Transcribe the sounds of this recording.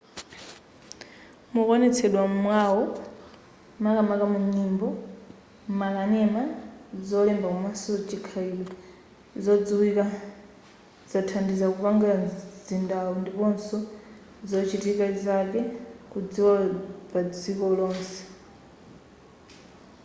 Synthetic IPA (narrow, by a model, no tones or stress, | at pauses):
mukɔnɛt͡sʰɛɗwamwawɔ | makamakamuɲɲimbɔ | makanɛmad͡zɔlɛmbakumasɔt͡ʃikʰailɔ | zɔd͡ziwika | zatʰandizakupaŋɡazindawundipɔnsɔ | zɔt͡ʃitikazakɛkud͡ziwapad͡zikɔlɔːnsɛ̥